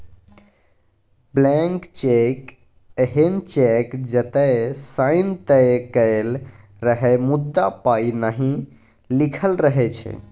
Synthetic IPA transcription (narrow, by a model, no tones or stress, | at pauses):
blɛŋkt͡ʃek | əɦent͡ʃekd͡ʒət̪əsaɪnt̪əkəɪl | ɾəɦɛmud̪ːapainaɦĩ | likʰəlɾəɦɛt͡ʃʰɛ̰